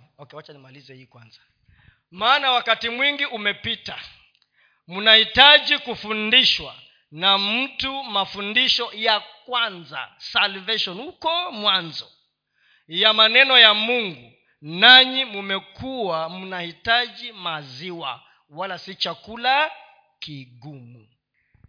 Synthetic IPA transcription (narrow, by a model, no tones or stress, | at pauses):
ɔkɛwat͡ʃanimalizɛhiːkwa̰nzḁ | maːnawakatimwiŋɡiʔumɛpita | munahitaʄikufundiʃwa̰ | nam̩tumafundiʃɔjakwanza̰salvɛʃɔnhukɔmwanzɔ | jamanɛnɔjamuŋɡu | naɲimumɛkʰuwamunahitaʄimaziwa̰ | walasit͡ʃakula | kiɡumṵ